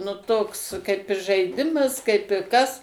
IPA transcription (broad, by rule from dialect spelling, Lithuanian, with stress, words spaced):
nʊ ˈtoːks kɐɪp ɪr ʒɐɪˈdʲɪmɐs kɐɪp ɪ ˈkɐs